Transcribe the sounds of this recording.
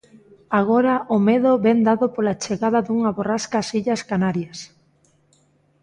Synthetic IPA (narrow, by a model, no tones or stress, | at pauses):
aɣ̞oɾɐʔʊmeðʊβɛnd̪aðopolat͡ʃeɣaðaðuŋaβoraskasiʎɐskanaɾjɐs